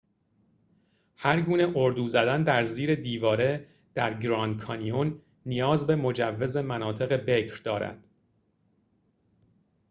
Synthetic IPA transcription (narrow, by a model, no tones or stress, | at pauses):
hæɾɡuːne̞ʔoɾd̪uːzæd̪ænd̪æɾziːɾe̞d̪iːvɒːɾe̞ | d̪̥æɾɡɾɒːnd̪̚kʰɒnionː | ijɒːzbe̞mo̞d͡ʒævːe̞ze̞mænɒːt̪ʰe̞ɣe̞bekʰɾd̪ɒːɾæ̰d̪̥